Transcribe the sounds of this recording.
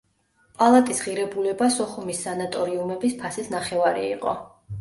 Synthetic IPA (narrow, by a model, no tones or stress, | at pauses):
pʼalˠat̪ʼisʁiɾɛbulɛbasɔχumisːanat̪ʼɔɾiumɛbispʰasisnaχɛvaɾḭḭqʼɔ̰